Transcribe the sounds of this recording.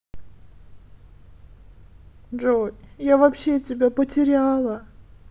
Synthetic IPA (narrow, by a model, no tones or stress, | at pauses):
ʐojjavɐpɕːetʲɪbʲapətʲɪɾʲalˠə